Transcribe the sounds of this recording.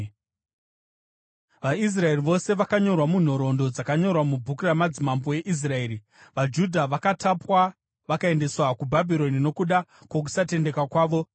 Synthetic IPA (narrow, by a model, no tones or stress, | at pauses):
ʋais̬rae̞riʋo̞se̞ʋakaɲo̞rwamun̤o̞ɾo̞ndo̞d͡zakaɲo̞rwamubʱukuramad͡zimamboe̞ʔis̬rae̞ːɾi | ʋad͡ʒudʱaʋakatapwa | ʋakae̞nde̞swakubʱabʱiɾo̞nino̞kuɗakwok̬usate̞nde̞kwakwaːʋo